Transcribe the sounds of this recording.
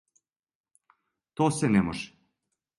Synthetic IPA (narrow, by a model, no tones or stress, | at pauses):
t̪osɛnɛmoʒ̥